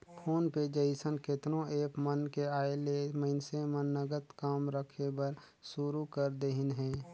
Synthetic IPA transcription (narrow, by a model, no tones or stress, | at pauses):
pʰoːnped͡ʒəɪsənket̪nõeːpmənkeaːeleməɪnsemənːəɡət̪kaːmɾəkʰebəɾ | suɾukəɾd̪eɦɪnɦɛ̃ː